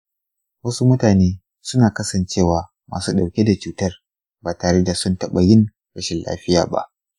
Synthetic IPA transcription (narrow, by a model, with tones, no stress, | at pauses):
wɐ˦su˦mʊ˦taː˨neː˦ | sʊ˦naː˨kɐ˦sɐ˨nt͡ʃeː˦˨waː˨ | ma̰ː˨suː˦ɗa˨wkʲe˦da˨t͡ʃuː˨tɐ˦r | baː˨taː˨ɽe˦da˨sʊ˦ntɐ˦ɓɐ˨jɪ˦ŋ | ɽɐ˦ʃɪ˨nla̰ː˦ɸɪ˦jaː˨ba̰˦ʔ